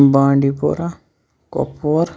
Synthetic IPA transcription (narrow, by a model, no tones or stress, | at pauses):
bãːɳɖipo̰ɾa | kɔ̰puɾ